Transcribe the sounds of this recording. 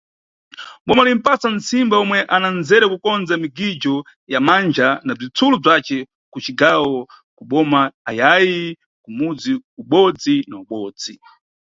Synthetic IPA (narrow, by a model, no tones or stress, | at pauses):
ɓɔmalim̩pasant͡simbaɔmwɛʔananzɛɾɛkukɔnd͡zamiɡid͡ʒɔ | jamand͡ʒanab͡ʐit͡sʰulub͡ʐat͡ʃɛ | kut͡ʃiɡawɔ | kuɓɔmaːjaji | kumud͡ziuɓɔd͡zinauɓɔːd͡zi